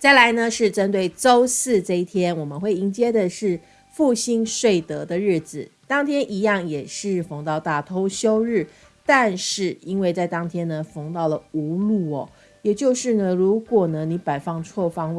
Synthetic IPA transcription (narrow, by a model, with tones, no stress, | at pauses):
t͡sa˥˩ɪla˧˥ɪnə˧ʂɻ̩˥˩ʈ͡ʂə˥nt̪we˥˩ɪʈ͡ʂo˥ʊsɹ̩˥˧ʈ͡ʂɤ˥˧i˥˩t̪ʰjɛ˥nwɔ˨˩mə˨˦nxwe˥˩ɪi˧˥ŋt͡ɕjɛ˥d̪ə˨ʂɻ̩˥˩ | fu˥˩ɕi˥nʂwe˥˩ɪt̪ɤ˧˥d̪ə˧ɻɻ̩˥˩d͡z̩˨˩t̪ɑ˥ŋt̪ʰjɛ˥nʔi˧˥jɑ˥˩ŋjɛ˨˩ʂɻ̩˥˩fɤ˧˥ŋt̪ɑ˥˧ʊt̪a˥˩t̪ʰo˥ʊɕjo˥ʊɻɻ̩˥˩ | t̪a˥˧nʂɻ̩˥˩i˥nwe˥˧ɪt͡sa˥˩ɪt̪ɑ˥ŋt̪ʰjɛ˥nə˨fɤ˧˥ŋt̪ɑ˥˩ʊlə˩u˧˥lu˥˩ɔ˨˩ | jɛ˨˩t͡ɕjo˥˧ʊʂɻ̩˥˩nə˨ɻu˧˦˥kwɔ˨˩nə˦ni˨˧˥pa˨˩ɪfɑ˥˧ŋt͡sʰwɔ˥˧fɑ˥ŋw